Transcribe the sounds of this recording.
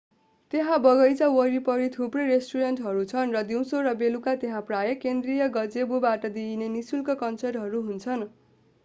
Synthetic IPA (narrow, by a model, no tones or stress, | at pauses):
t̪eɦãbʌɡʌjt͡sʌwʌɾipʌɾit̪ʰuprʌjɾesʈuɾʌnʈɦʌɾut͡sʰʌnrʌd̪iw̃soɾʌbelukat̪eɦãprajʌkend̪rijʌɡʌd͡zebubaʈʌd̪inenisulkʌkʌnsʌrɦʌɾuɦunt͡sʰʌn